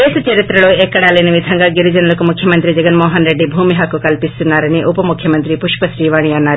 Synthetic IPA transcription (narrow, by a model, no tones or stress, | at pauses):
eːsɐt͡ʃɐɾit̪ɾɐɭoekːɐɽaːleniʋid̪ʱɐŋɡaɡiɾud͡ʒɐnɐlɐkumukʰjɐmɐnt̪ɾid͡ʒɐɡɐnmɔːɦɐnɾeɖːibʱuːmiɦakukɐlpist̪unːaːɾɐniʔupɐmukʰjɐmɐnt̪ɾipuʃpɐsɾiːʋaːɳ̃iaːnːaːɾ